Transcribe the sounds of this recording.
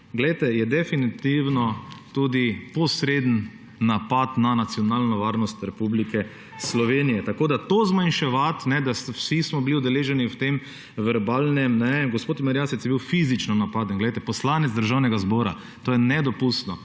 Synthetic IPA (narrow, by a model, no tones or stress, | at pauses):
ɡlɛjt̪ɛjɛd̪ɛfinit̪iwnɔt̪ud̪ipɔsɾed̪ənː | apat̪nanat̪sjɔnaːlnɔʋaɾnɔst̪ɾɛpublikɛ | slɔʋenijɛt̪akoːd̪at̪oːzmanʃɛʋat̪nɛd̪aswsismɔbiliʊd̪ɛleːʒɛniwt̪em | ʋɛɾbaːlnɛmnɛɡɔspoːt̪mɛɾjaːsɛt͡s̪jɛbiwfizit͡ʃnɔnapaːd̪ənɡlɛjt̪ɛpɔslaːnɛd̪zd̪əɾʒawnɛɡazbɔːɾa̰ | t̪oːjɛnɛd̪ɔpust̪nɔ